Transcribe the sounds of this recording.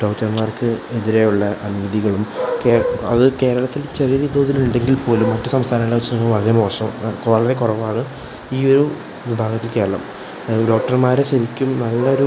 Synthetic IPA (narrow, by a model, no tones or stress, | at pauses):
ɖowtːɐnmaːrkɨeðiɾe̞juɭːɐʔɐnuʋɐðiɣɐɭumkeːɐ̰ðɨke̞ːɾɐɭɐt̪ːilt͡ɕerijɐɾid̪o̞ːðiluɳɖe̞ŋɡilpo̞ːlumːɐtːɨsɐmst̪ʰaːnɐmilːɐʋɐt͡ɕːɐnɐkːɐmʋɐɭɐɾemo̞ːʂɐmkɐɭɐɾekurɐʋaːɳɨ | iːo̞ɾu | ʋibʱaːɡɐt̪ːilke̞ːɾɐɭɐ̰m | ɖo̞ːk̚ʈɐrmaːɾeɕɐɾikʲːumnɐlːɐo̞ɾu